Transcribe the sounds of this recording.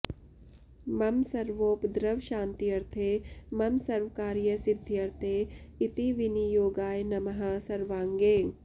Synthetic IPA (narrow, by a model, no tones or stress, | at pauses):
mɐmsɐɾʋoːpd̪ɾɐʋʃãːnt̪iɐɾt̪ʰeːmɐmsɐɾʋəkaːɾjɐsɪd̪ʱːjɐɾt̪ʰeːit̪iʋinijoːɡaːjnɐmɐɦaːsɐɾʋaːŋɡeː